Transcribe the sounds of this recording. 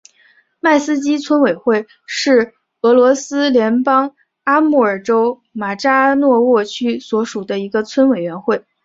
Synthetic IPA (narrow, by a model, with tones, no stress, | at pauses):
ma˥˩ɪsɹ̩˥t͡ɕi˥t͡sʰwə˥nwe˨˩ɪxwe˥˧˩ɪ | ʂɻ̩˥˩ | ɤ˧˥lwɔ˧˥sɹ̩˥ljɛ˧˥npɑ˥ŋ | a˥mu˥˩ə˞˨˩ʈ͡ʂo˥ʊ | ma˨˩ʈ͡ʂa˥nwɔ˥˧wɔ˥˩t͡ɕʰy˥swɔ˧˥ʂu˨˩d̪ə˦i˧˥ɡə˧t͡sʰwə˥nwe˨˩ɪɥɛ˧˥nxwe˥˩ɪ